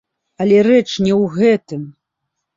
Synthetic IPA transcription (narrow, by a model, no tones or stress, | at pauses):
alʲɛrɛt͡ʂnʲɛwɣɛt̪ɨm